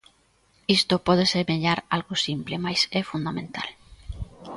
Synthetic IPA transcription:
ist̪opɔð̞eseɾmeʎaɾalɣosimplɪmajsɛfund̪amẽnt̪al

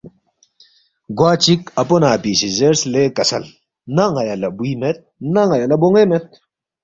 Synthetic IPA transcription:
ɡwaːt͡ɕikɐponaːpisizeɾslekɐsɐ̰l | naŋɐjɐlɐbuiːmet̪̚nɐŋɐjɐlɐboŋemet̪̚

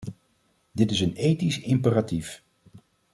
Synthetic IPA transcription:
dɪtɪsənejtisɪmpəratif

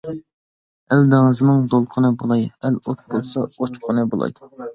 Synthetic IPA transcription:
æld̪ɪŋɨzɨnɨŋd̪olˠqʰənɨbolˠɑjælot̪̚bolˠsɑot͡ʃqʰənɨbolˠɑ̰jd̪̥

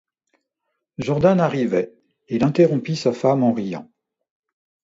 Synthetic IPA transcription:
ʒɔʁd̪anaʁivɛ | ilɛ̃t̪eʁɔ̃pisafamɑ̃ʁijɑ̰̃

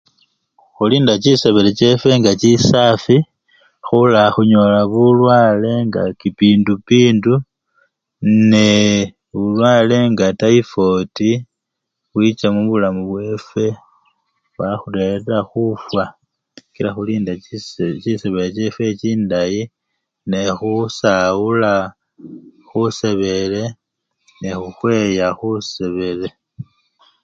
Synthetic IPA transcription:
xuliːndat͡ʃise̞βelet͡ʃe̞fwe̞ŋɡat͡ʃisafi | xulaxuɲo̞laβulwaːle̞ŋɡa̰kipiːndupiːndu | ne | βulwaːle̞ŋɡatajifo̞ti | βwit͡ʃamuβulamuβwe̞ːfe̞ | βaxuleɾɾaxufwa | ɡ̥iɾaxuliːndat͡ʃiseβelet͡ʃe̞fwe̞t͡ʃiːndaji | nexusaula | xuse̞βe̞le̞ | nexuxwe̞jaxuse̞βe̞le̞

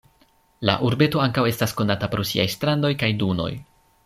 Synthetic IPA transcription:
la̰ʔuɾbe̞to̞aŋkawe̞stasko̞natapɾo̞sḭa̰jstɾando̞jkajduno̞̰j

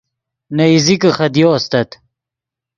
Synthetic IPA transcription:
nɐizikəχɐd̪joːst̪ɐt̪

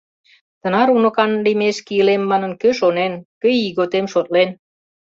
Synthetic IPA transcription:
t̪ə̆nɑɾunə̆kɑnlimeʃkiəlemːɑnə̆nkøʃonenkəjiɣot̪emʃot̪̚len

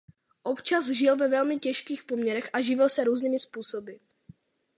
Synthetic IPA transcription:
ʔo̞pt͡ʃazʒɪlvɛvɛlmɪcɛʃkiːxpo̞mɲɛɾɛxʔaʒɪvɪlsɛɾuːzniːmɪspuːso̞bɪ

